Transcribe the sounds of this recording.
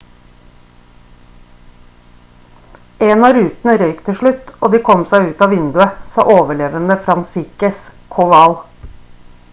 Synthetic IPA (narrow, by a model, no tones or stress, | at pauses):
eːnɑːɾʉːt̪n̩əɾœʏkt̪ʰəʃɭʉt̪oːd̪iːkʰɔmsæɪʉːt̪ɑːʋɪnd̪ʉəsɑ̰ːʔoːʋəɭeːʋənəfɾɑnsikəskʰɔʋɑl